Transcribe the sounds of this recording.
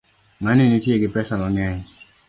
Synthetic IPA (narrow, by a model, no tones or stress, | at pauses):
manɪnitjeɡɪpɛsalɔŋɛɲ